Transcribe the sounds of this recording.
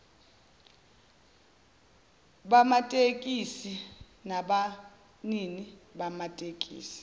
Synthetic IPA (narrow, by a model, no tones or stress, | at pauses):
ɓamatʼekʼisi | naɓa | niniɓamatʼek̬ʼḭːsi̥